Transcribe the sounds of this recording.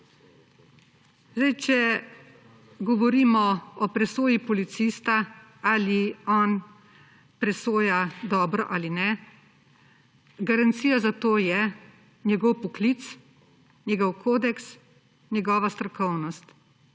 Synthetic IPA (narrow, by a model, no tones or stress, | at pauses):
zajt͡ʃɛ | ɡɔʋɔɾiːmɔɔpɾɛsoːjipɔlit̪sist̪aaliɔːn | pɾɛsoːjad̪ɔːbɾɔ̰ʔalinɛ | ɡaɾant̪siːjazat̪oːjɛ | njɛɡɔwpɔklit̪s | njɛɡɔwkʰoːd̪ɛks | njɛɡɔːʋast̪ɾɔkɔwnɔst̪